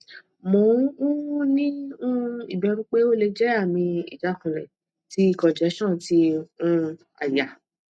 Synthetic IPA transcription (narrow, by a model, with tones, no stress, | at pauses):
mõ˨˦ũ˦nĩ˦ũ˦i˦˨bɛ˧˦ɾũ˦k͡pe˦o˦le˧d͡ʒɛ˦a˦˨mĩ˧ḭ˨d͡ʒa˨˦kũ˨lɛ̰̃˨ | ti˦i˦˨kɔ̃˨d͡ʒɛ˨˦ʃɔ̃˦˨ti˧˦ũ˧ | a̰˨ja˨